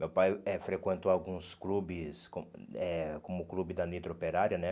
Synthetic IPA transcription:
mewpajɛfɾekwẽnt̪oawɡũsklubɪskõɛkõmʊklubɪd̪ɐnit̪ɾopeɾaɾiɐnɛ

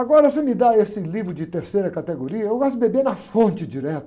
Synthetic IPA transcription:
aɡɔɾɐsemɪd̪aesɪlivɾʊd͡ʒɪt̪eɾsejɾɐkat̪eɡoɾiɐewɡɔst̪ʊbebenɐfõnt͡ʃɪd͡ʒiɾɛt̪ɐ

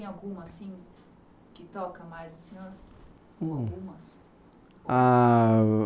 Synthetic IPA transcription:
ẽj̃awɡũmɐsĩ | kɪt̪ɔkɐmajzʊsẽɲoɾ | ũɡũmɐs | a

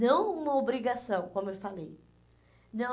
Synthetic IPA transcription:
nɐ̃w̃ũmɐobɾiɡasɐ̃w̃kõmʊewfalej | nɐ̃

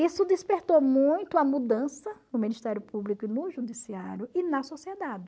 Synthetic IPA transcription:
isʊd̪ɪspeɾt̪omũj̃t̪ʊɐmud̪ɐ̃sɐnʊmĩnist̪ɛɾjʊpublikʊɪnʊʒud̪isiaɾjʊɪnɐsosied̪ad̪ɪ

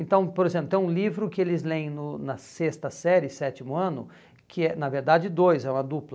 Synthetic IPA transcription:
ẽnt̪ɐ̃w̃poɾezẽplʊt̪ẽũlivɾʊkɪelɪzlẽj̃nʊnɐsest̪ɐsɛɾɪsɛt͡ʃɪmʊɐ̃nʊ̰ | kʰɪɛnɐveɾd̪ad͡ʒɪd̪ojzɛũmɐd̪uplɐ

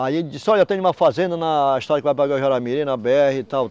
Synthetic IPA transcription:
aid͡ʒɪsɔewt̪ẽumɐfazẽnd̪ɐnɐiʃt̪ɔɾɐkɪvajpɾaɡaʒɔɾamiɾĩnɐbeɛhit̪aw

